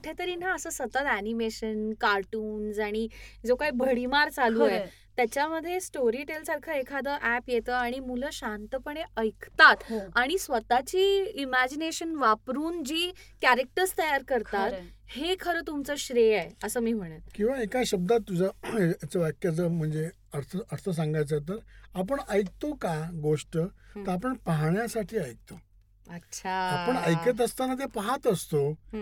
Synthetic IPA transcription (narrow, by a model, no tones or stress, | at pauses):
ʈʰet̪əɾiːnaəsəːsət̪ət̪ænimeɕənkaɾʈuːnsaɽ̃id͡zokaɦibʱəɽ̤imaɾt͡salue | t̪jat͡ɕjaməd̪ʱːjesʈoɾiʈelsaɾkʰəekʰad̪əːʔæpjet̪əaɽ̃imuləɕãnt̪əpəɳ̃eəjkʰt̪at̪aɽ̃isʋət̪at͡ɕiːimæd͡ʑineɕənʋapɾuːnd͡ʑiː | kæɾek̚ʈəɾst̪əjaɾkəɾt̪at̪hekʰəɾəːt̪umt͡səɕɾejaeəsəːmiːm̤əɽ̃ət̪kĩw̃ʋaekaɕəb̚d̪at̪ːud͡ʑaat͡ɕaʋjakjat͡səm̤əɳd͡ze | əɽt̪ʰəəɽt̪ʰəs̬ãŋɡajt͡sat̪̬əɾap̬əɳəjk̚t̪okaɡoʂʈət̪əɾapəɳpaɦɳjasaʈʰiːəjk̚t̪o | əɕʰaapəɳəjkət̪̬əst̪anat̪̬epaɦat̪əst̪o